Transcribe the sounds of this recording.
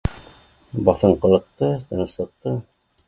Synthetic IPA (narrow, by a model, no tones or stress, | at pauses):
bɑθɤɴqɤ̆lˠɤ̆q̚t̪ɤt̪ɤ̆nɤ̆slˠɤ̆q̚t̪ɤ